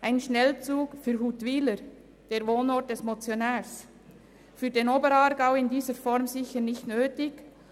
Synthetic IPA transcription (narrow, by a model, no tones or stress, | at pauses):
ʔaɪnʃnɛlt͡suːkfyːɾɦuːtʋiːləɾ | d̥eːɾvoːnɔɾt̚d̥ɛsmot͡sjonɛːɾs | fyːɐdenoːbəɾɑːɾɡaʊɪndiːzəɾfɔɾmzɪçəɾnɪçtnøːtɪɡ